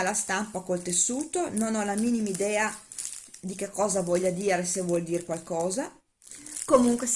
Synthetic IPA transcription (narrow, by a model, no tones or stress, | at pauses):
alast̪ampakolt̪esːuːt̪ononɔlamiːnimaid̪ɛːa | d̪ik̟ekːɔːzavwɔʎːad̪iːɾesevwɔld̪iːɾekwalkɔːza | komuŋkwes